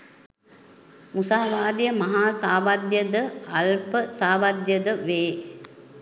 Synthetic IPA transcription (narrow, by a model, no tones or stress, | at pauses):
musaːʋaːd̪ijəmɐɦaːsaːʋɐd̪jəd̪əɐlpəsaːʋad̪jɐd̪əʋeː